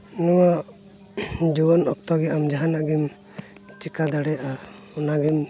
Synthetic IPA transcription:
nɔwaʔ | d͡ʒubɔnɔk̚t̪ɔɡɛʔamd͡ʒaɦanaʔɡim | t͡ʃikad̪aɽɛaʔa | ɔnaɡim

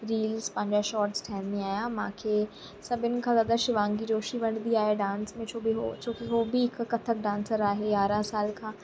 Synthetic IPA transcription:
ɾiːlzpɐ̃ɦɪ̃ɲd͡ʒaʃɔːɾʈsʈʰɛːnːẽaːjãːmãːkʰeː | sɐbɪnkʰãːzad̪aʃɪʋãːŋɡid͡ʒoːʃiʋɐɽ̃d̪iaːɦeɖãːnsmẽt͡ʃʰoːbiɦot͡ʃõːkiɦoːbʱiɪkːɐt̪ʰək̚ɖãːnsəɾaːɦeaːɾãːsaːlkʰãː

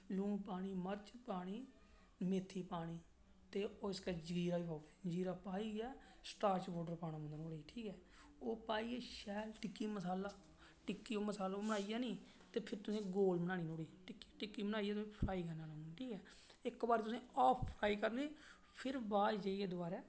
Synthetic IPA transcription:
lũːpaːɽ̃iːməɾt͡ʃpaːɽ̃iː | meːt̪ʰːiːpaːɽ̃iː | t̪eːoːɪskɛːd͡ʒɡiːɾaːiːpaːued͡ʒiːɾaːpaːiːɛːsʈaːɾt͡ʃboːɖəɾpaːɽãːmə̃nd̪ːnoːɽeːʈʰiːkɛː | oːpaːiːeːʃɛːlʈɪkːiːməsaːlaː | ʈɪkːiːoːməsaːloməɽ̃aːijaːniː | t̪eːpʰɪɾt̪ʊsẽːɡoːlmənaːniːnoːɽiːʈɪkːi̥ʈɪkːiːməɽ̃aːijɛːt̪ʊẽːpʰɾaːiːkənaːnaʈʰiːkɛː | ɪkbaːɾt̪ʊsẽːɔːpʰpʰɾaːiːkəɾniː | pʰɪɾbaːd͡ʒeːieːd̪ʊbaːɾɛː

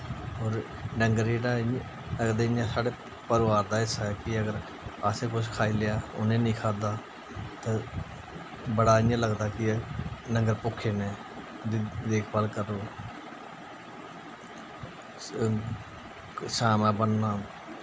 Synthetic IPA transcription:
oːɾ | ɖəŋɡəɾeːɖãː | ləɡd̪eːɪjãːsaːɽeː | pəɾʋaːɾd̪aːɪsaɛːkɪəɡəɾ | aːseːkʊt͡ʃkʰaːiːlejaːʊ̰nẽːnĩːkʰaːd̪aː | t̪ãː | bəɽaːɪːãːləɡd̪aːkɪnəŋɡəɾpʊkʰːeːnẽː | d̪d̪eːkʰbəːlkəɾoː | saːmãːbənːaː

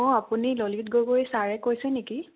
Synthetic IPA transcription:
ɔapunilolitɡoɡojsaɹɛkojsɛneki

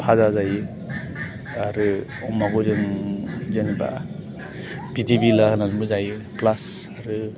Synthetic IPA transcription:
pʰazazajɯ | aɾɯ | ɔmaɡɔzenzenba̰ | b̥itibilahanazmbɯzajɯ | plasaɾɯ

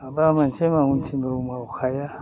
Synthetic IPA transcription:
abamant͡ʃemaŋunt͡ʃʰimbeumaukʰaja

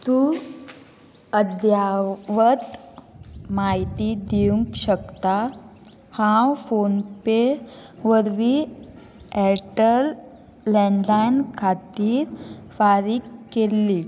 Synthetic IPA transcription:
t̪u | əd̪jaʋət̪ | maɦjt̪id̪iũŋkɕəkt̪a | hãwfonpeʋəɾʋi | ɛʈəlː | ɛɳlankʰat̪iːɾfaɾiːkːelːiː

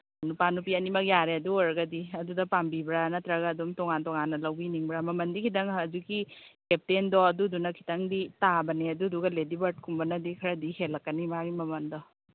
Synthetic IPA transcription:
nupanupiɐnimɐk̚jaɾeɐduoɾɐɡɐdiɐdudɐpambibɾanɐtɾaɡaːdumtɔŋantɔŋanːɐlɐwbiniŋbɾamɐmɐndikʰidɐŋɐd͡ʒuɡikep̚tendɔɐdudunɐkʰi̥taŋditabɐneɐduduɡɐledibɐɾt̚kʰumbɐnɐdikʰɐɾɐdihelːɐkːɐnimaɡimɐmɐndɔ

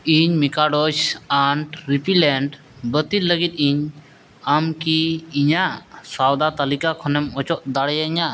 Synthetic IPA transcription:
iɲmikaɖot͡ʃaɳʈɾipileɳɖ | bət̪iləɡit̪̚iɲ | amkiiɲasawd̪at̪ɐlikakʰɔnemɔt͡ʃɔʔd̪aɽjaɲa

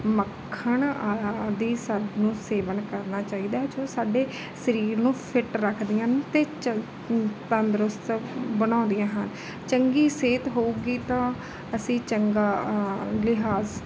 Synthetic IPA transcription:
məkʰːəɳ | d̪iːsəd̪nũːseːʋənkəɾnaːt͡ʃaːiːd̪aːd͡ʒoːsaːɖeː | səɾiːɾnũːpʰɪʈɾəkʰd̪ɪjãːnt̪eː | t̪ãːd̪ɾʊst̪bənãːnd̪ijãːɦən | t͡ʃəŋɡiːseːt̪ɦoːuːɡiːt̪ãː | əsĩːt͡ʃəŋɡaːlɪɦaːz

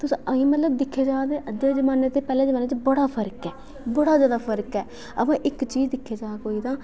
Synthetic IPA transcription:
t̪ʊsĩːʔəĩːmət̪ləb̚d̪ɪkʰːeːd͡ʒaːt̪eːʔəd͡ʒeːzəmaːneːt̪eːpɛːlẽːd͡ʒəmaːneːt͡ʃbəɽaːpʰəɾkɛː | bəɽaːzjaːd̪aːpʰəɾkɛː | ə̰pãːʔɪkt͡ʃiːd͡ʒd̪ɪkʰːeːd͡ʒaːkoːiːt̪ãː

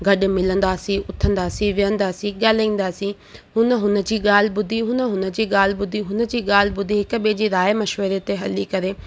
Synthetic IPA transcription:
ɡʱɐɗ̆mɪlə̃nd̪aːsĩʊt̪ʰə̃nd̪aːsĩʋɪjə̃nd̪aːsĩɠaːlĩːn̆d̪aːsĩ | ɦʊnə̆ɦʊnə̆d͡ʑiːɠaːl̤bʊd̪ʱiɦʊnə̆ɦʊnə̆d͡ʑiːɠaːlɪbʊd̪ʱiɦʊnə̆d͡ʑiːɠaːl̤bʊd̪ʱiɦɪk̆ɓed͡ʑiːɾaːjmɐʃʋəɾet̪eɦɐlikɐɾeː

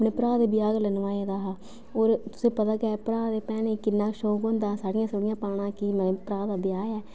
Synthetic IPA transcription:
pneːpəɾaːd̪eːbɪjaːɡlənʋaːeːd̪aːɦa | oːɾt̪ʊ̥sẽːpət̪aːɡɛːpɾaːd̪eːpɛːneːkɪnːãːʃoːkõːnd̪aːsaːɽɪjãːsəɽɪjãːpaːɽ̃ãːkimɛpɾaːd̪aːbɪjaːɛː

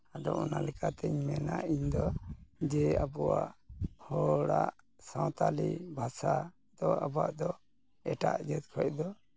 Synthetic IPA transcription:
adɔɔnalɛkat̪ɛɲmɛnaʔiɲd̪ɔd͡ʒɛabɔwaʔhɔɽaʔ | sawt̪alibʱasa | d̪̥ɔabaʔd̪ɔ | ɛʈa̰ʔd͡ʒɛt̪̚kʰɔʔ̚d̪ɔ

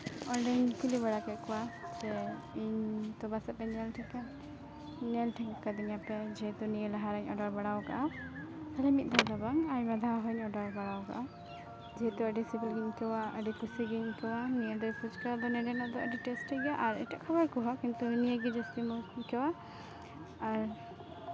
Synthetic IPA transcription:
ɔɖɛɲkuliβaɽakakɔwasɛ | iɲt̪ɔbasapɛnɛlʈʰika | nɛlʈʰikkad̪iŋapɛd͡ʒɛɦɛt̪uniɛlɛɦaɾaɲɔɖɔɾbaɽawka̰ʔa | alɛmit̪̚ˀd̪ʱad̪abaŋajmad̪ʱaɦɔɲɔɖɔɾbaɽawka̰ʔa | d͡ʒɛɦɛt̪uəɖisibilɡiɲkɛwaəɖɛkusiɡiɲkɛwaniəd̪ɛpʰut͡ʃkaɾad̪ɔnɛɖɛnaʔd̪ɔəɖiʈɛsʈʰɛɡaʔaɾɛʈaʔkʰabaɾkuɦɔkint̪unijeɡid͡ʒast̪imɔkɛwa | aɾ

